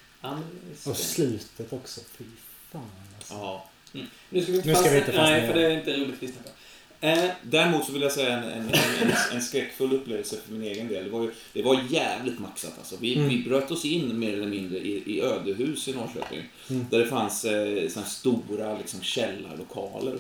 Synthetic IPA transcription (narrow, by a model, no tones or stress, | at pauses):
anɔslʉ̟ːt̪ʰət̪ɔksɔfɪ | aːɑː | nʉskaɪvɪɪ̃nt̪ənɛfəɖɛaɾɪnt̪əjub̪ɪt̪vɪst̪apɔ | d̪æɾɛmuːt̪sɔvɪljasɛjːaɛnɛ̰nɛɛnskɾɛkːfɵlːɵpːleːvəlsəfœɾmɪneːɡənd̪eːld̪ɛvajɵd̪̥ɛvajjæːvlɪt̪maksa̰t̪ʰa̰lsɔvɪvɪbɾøːt̪ːɔsɪnːmeːɾɛləɾmɪnd̪ɾəʔɪʔɪøːd̪əɦʉ̟ːsɪnɔːɾɕø̰ːpɪ̰ŋ | d̪æɖɛfanssɔnæst̪uːɾalɪksɔmɕɛlːa̰lʊkʰɑ̰ːlə̰ɾ